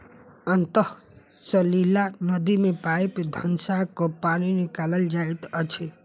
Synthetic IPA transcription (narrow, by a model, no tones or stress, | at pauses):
ənt̪əh | səlilanʌd̪imepaepd̪ʱənsakopañinikaləld͡ʒait̪ʌt͡ʃʰe